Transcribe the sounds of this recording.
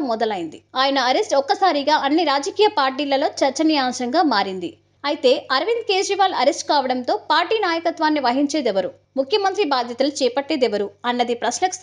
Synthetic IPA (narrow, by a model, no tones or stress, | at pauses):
mɔd̪ɐlɐjind̪iaːjɐnɐːɾesʈɔkːɐsaːɾiɡaːʔɐnːiɾaːd͡ʒɐkiːjɐpaːɾʈiːlɐlo̞ːt͡ʃɐɾt͡ʃɐnijaːmʃɐŋɡaːmaːɾind̪ḭ | ɐjit̪e̞ːɐɾɐʋind̪ke̞ːʃɾiʋaːlɐɾesʈkaːʋɐɽɐnt̪o̞ːpaːɾʈiːnaːjɐkɐt̪ʋaːnːiʋɐɦiɲt͡ʃe̞ːd̪ɛʋɐɾu | mukʰjɐmɐnt̪ɾibaːd̪ʱjɐt̪ɐlut͡ʃɛːpɐʈːe̞ːd̪ɛʋɐɾuɐnːɐd̪ipɾɐsnɐk